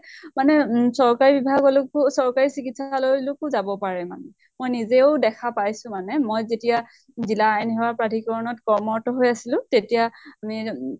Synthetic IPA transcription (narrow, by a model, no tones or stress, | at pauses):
manɛsɔɹkaɹibibʱaɡɔlʊkʊsɔɹkaɹisikitsalojlʊkʊzabɔpaɹɛma̰nɛ | mojnizeʊdɛkʰapajsʊ̃manɛmojzetija | zilaenɛɦɔapɹadʱikɔɹɔnɔtkɔmɔɹtɔɦojasilʊ̃tetijaami